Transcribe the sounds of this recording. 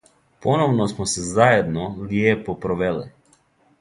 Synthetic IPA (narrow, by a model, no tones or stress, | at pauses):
ponoʋnosmɔsɛzajed̪nɔljeːpɔpɾɔʋelɛ̰